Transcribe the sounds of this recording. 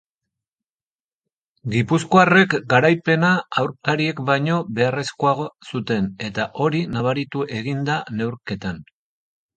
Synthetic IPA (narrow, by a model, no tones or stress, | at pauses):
ɡipusko̞are̞kɡaɾajpe̞naawɾkaɾie̞kbajɲo̞βe̞are̞sko̞aɣosut̪e̞ne̞t̪aʔo̞ɾinaβaɾit̪uʔe̞ɣind̪ane̞wɾke̞t̪an